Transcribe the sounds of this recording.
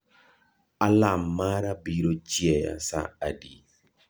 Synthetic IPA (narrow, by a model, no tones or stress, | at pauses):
alamaɾabiɾod͡ʒiɛja̰sa̰adḭ